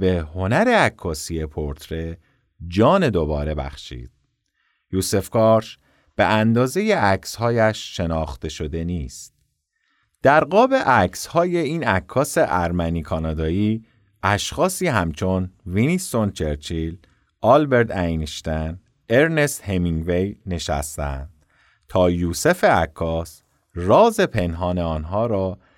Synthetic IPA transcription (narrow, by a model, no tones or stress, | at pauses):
beho̞næɾeækʰːɒːsijepʰoɾt̪ʰɾe̞ | d͡ʒɒːne̞d̪o̞bɒːɾe̞bæ̰xʃḭːd̪̥̚ | juːse̞fkʰɒːɾʃ | b̥eʔænd̪ɒːze̞je̞ʔækshɒːjæʃːe̞nɒːxt̪e̞ʃo̞d̪e̞niːst̪̚ | d̪̥æɾɢɒːbe̞ʔæcʰshɒːje̞iːnækʰːɒːse̞ʔæɾmæniːkʰɒːnɒːd̪ɒːiː | ʔæʃxɒːsiːɦæmt͡ʃʰo̞nvinisːo̞nt͡ʃʰeɾt͡ʃʰil | ɒːlbe̞ɾt̪æjnʃt̪æn | e̞ɾne̞st̪hemiŋvejne̞ʃæ̰st̪æ̰nd̪̥ | t̪ʰɒːjuːse̞fe̞ækʰːɒːs | rɒːze̞pʰe̞nɦɒːneɒːnɦɒːɾɒː